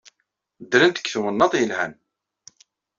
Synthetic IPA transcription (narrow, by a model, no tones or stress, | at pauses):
d̪ːɾənt̪ə̥kːθwənːɑt̪ˤjəlhæn